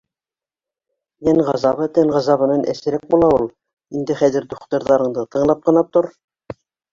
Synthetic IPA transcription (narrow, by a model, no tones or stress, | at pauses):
jænʁɑzɑβɤt̪ænʁɑzɑβɤ̆nɑnʔæ̰sɘ̆ɾæk̚bulˠɑulˠ | ind̪ɘχæðɘ̆ɾd̪uχt̪ŏɾðɑɾɤ̆ɴd̪ɤt̪ɤ̆ɴlˠɑp̚qɤ̆nɑt̪oɾ